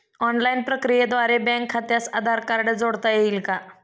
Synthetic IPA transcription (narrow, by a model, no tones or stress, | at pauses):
ɔnlainpɾəkɾijed̪ʋaɾebɛ̃ŋkʰːat̪jasəd̪ʱaɾkaɾɖəd͡zoɽt̪ajeilka